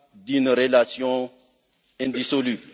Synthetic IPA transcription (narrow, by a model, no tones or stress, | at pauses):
d̪ynʁəlasjɔ̃ | ɛ̃d̪isolybl